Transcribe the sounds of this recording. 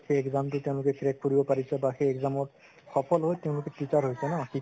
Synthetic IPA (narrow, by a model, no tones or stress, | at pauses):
xejɛkzamtʊteʊ̃lʊkɛkɹɛkkoɹibɔpaɹisɛbaxejɛkzamɔɹ | xɔpʰɔlɦojteʊ̃lʊkɛtitaɹɦojsɛnɔ̃ãxi